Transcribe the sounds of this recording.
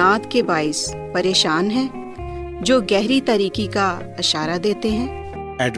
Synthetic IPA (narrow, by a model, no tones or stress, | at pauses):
aːt̪kebaːɪs | pɐɾeːʃaːnɦɛ̃ː | d͡ʒoːɡɛɦɾit̪aɾiːkika | ɪʃaːɾad̪eːt̪eɦɛ̃ː | ɛːɖ